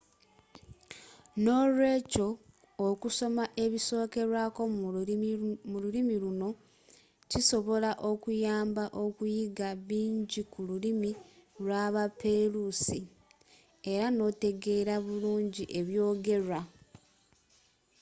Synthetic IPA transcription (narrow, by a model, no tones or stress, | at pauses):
no̞ɾwe̞ːco̞ː | kuso̞maʔe̞βiso̞ːke̞ɾwako̞ | mululimiluno̞ | ciso̞βo̞laʔo̞kujaːmbaʔo̞kujiɡaβiːɲɟikululimilwaβapeɾusi | e̞ɾano̞ːte̞ɡe̞ːɾaβuluːɲɟiʔe̞βjo̞ːɡe̞ra